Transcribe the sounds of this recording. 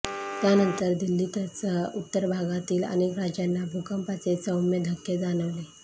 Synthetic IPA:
t̪janənt̪əɾd̪ilːit̪ət͡səut̪ːəɾbʱaɡat̪iːlə̰nekɾad͡ʑjanːabʱukəmpat͡set͡səwmed̪ʱəkːjed͡zanəʋle

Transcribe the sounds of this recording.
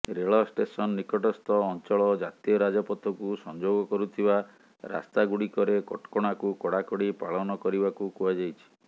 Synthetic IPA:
ɾeɭɔsʈesɔnɔːikɔʈɔst̪ɔːnt͡ʃɔɭɔd͡ʒat̪iɔɾad͡ʒɔpɔt̪ʰɔkusɔnd͡ʒoɡɔkɔɾut̪ʰiba | ɾa̰st̪aɡuɽikɔɾekɔ̰ʈkɔɽ̃akukɔɽakɔɽipaɭɔnɔkɔɾibakukuad͡ʒajt͡ʃʰi̥

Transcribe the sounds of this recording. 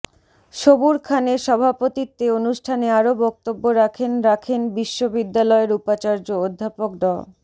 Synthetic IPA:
ʃobuɾkʰaneʃɔbʱapot̪it̪ːeonuʃʈʰaneaɾobɔk̚t̪obːoɾakʰenɾakʰenbiʃːobid̪ːalɔeɾupat͡ɕaɾd͡ʑood̪ʱːapok̚ɖɔ

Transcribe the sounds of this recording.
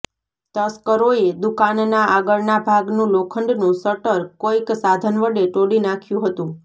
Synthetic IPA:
t̪əskəɾoed̪ukannaaɡəɭnabʱaɡnũlokʰəɳɖnũsəʈəɾkoiksad̪ʱənʋəɽeʈoɽinakʰjũɦət̪ũ

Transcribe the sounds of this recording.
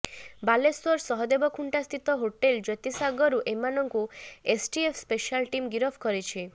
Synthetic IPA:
balesɔɾsɔɦɔd̪ebɔkʰuɳʈast̪ʰit̪ɔɦoʈeld͡ʒɔjt̪isaɡɔɾuʔemanɔŋkuesʈiepʰspeʃalʈimɡiɾɔpʰkɔɾit͡ʃʰe

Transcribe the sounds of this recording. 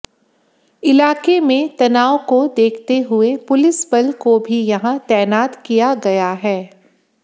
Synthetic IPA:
ɪlaːkemẽt̪ɐnaːokod̪eːkʰt̪eɦʊepʊlɪsbɐlkobʱijɐɦãt̪ɛːnaːt̪kijaɡɐjaɦɛː

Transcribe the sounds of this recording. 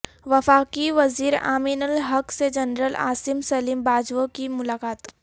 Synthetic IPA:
ʋɐfaːkiʋɐziːɾa̰ːmiːnəlɦɐksed͡ʒɐnɾəla̰ːsɪmsɐliːmbaːd͡ʒʋokimʊlaːkaːt̪

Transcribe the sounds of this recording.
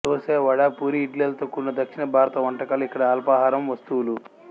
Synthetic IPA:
t̪oːseːʋɐɽaːpuːɾiːʈlelɐt̪okːunːɐd̪ɐkʂiɳɐbʱaːɾɐt̪ɐʋɐɳʈɐkaːluikːɐɽɐaːlɐpaːɦaːɾɐmʋɐst̪uwulu

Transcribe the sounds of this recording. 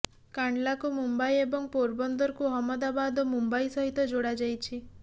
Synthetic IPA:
kaɳɖlakumumbajebɔŋpoɾbɔnd̪ɔɾkuɦɔmɔd̪abad̪ɔmumbajsɔɦit̪ɔd͡ʒoɽad͡ʒajt͡ʃʰi

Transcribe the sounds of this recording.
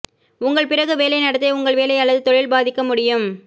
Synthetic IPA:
ʊŋɡɐɭpɪrɐɣɯʋeːlɐɪnɐɽɐt̪ːeːʊŋɡɐɭʋeːlɐɪɐɭːɐðɯt̪ɔɻɪlbaːðɪkːɐmʊɽɪjɯm

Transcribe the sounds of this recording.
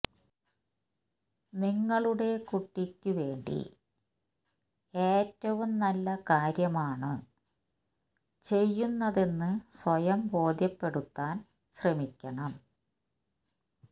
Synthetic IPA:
niŋːɐɭuɽe̞kuʈːikʲːuʋe̞ːɳɖḭ | eːtːɐʋumnɐlːɐkaːɾjɐmaːɳɨ | t͡ɕe̞jːunːɐðenːɨsʋɐjɐmbo̞ːd̪ʱjɐpːe̞ɽut̪ːaːn | ɕremikʲːɐɳɐm

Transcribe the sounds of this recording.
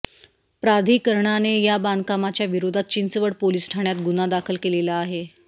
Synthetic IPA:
pɾad̪ʱikəɾɳanejaband̪kamat͡ɕjaʋiɾod̪ʱat̪̚t͡ɕint͡səʋəɽpoliːsʈʰaɳjat̪ɡunad̪akʰəlkelelaːɦe

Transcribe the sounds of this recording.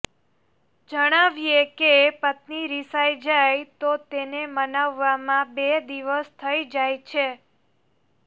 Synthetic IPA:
d͡ʒəɽ̃aʋiekepət̪niɾisajd͡ʒajt̪ot̪enemənaʋːamãbed̪iʋəst̪ʰəid͡ʒajt͡ʃʰe

